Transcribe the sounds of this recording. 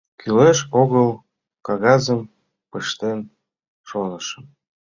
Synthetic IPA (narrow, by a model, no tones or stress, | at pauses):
kʰyleʃoɣəl | kɑɣɑzəm | pəʃt̪en | ʃonəʃə̆m